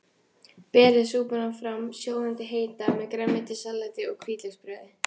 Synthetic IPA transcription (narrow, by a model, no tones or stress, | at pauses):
pɛːɾɪsuːpʏnanfɾamsjoːwðant̪ɪɦeːjt̪amɛkɾamːɪnt̪ɪsalːat̪ɪɔɣkʰviːt̪lɛkspɾɛːðɪ